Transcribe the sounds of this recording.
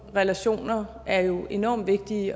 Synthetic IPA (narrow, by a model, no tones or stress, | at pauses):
ʁɛlæɕo̝̰ːnɐ | æɐjo̝ʔe̝nɒ̰ːmʋe̝ɡ̥̚d̥i